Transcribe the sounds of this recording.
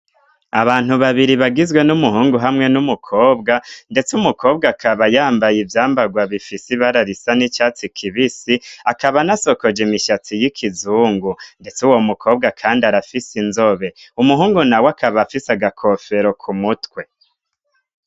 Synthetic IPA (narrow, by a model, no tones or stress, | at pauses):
aβaːn̥huβaβiɾiβaɡizɡwe̞numuɦuːŋɡuɦamŋe̞numukʰo̞ːbɡande̞t͡sumukʰo̞ːbɡakʰaβajaːmbajivjaːmbaɡwaβifisiβaɾaɾisanit͡ʃat͡sikʰiβisiakaβanaso̞kod͡ʒimiʃat͡sijikʰizuːŋɡunde̞t͡suwo̞mukʰo̞ːb̚ɡakʰaːndiaɾafisinzo̞βe̞umuɦuːŋɡunawakʰaβafisaɡakʰo̞fe̞ɾo̞kʰumutwe̞